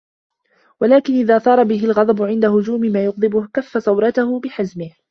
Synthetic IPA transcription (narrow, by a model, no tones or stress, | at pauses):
walaːkɪnʔɪðaːθˤɑːɾˤɑbɪɦɪlɣɑd̪ˤɑbʊʕɪnd̪ahʊd͡ʒuːmɪmaːjʊqd̪ˤɨbʊhkafːasɑwɾˤɑt̪ahʊbɪħazmɪh